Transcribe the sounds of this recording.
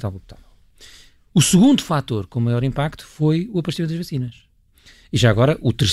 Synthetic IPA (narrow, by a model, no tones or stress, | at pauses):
t̪avuput̪a̰vɛlˠ | usɨɣũnd̪ufat̪oɾkõmɐjɔɾĩmpakt̪u̥fojuɐpɐʃt̪imẽt̪d̪ɐʒvɐsinɐʃ | iʒaɐɣɔɾɐʔut̪ɨɾs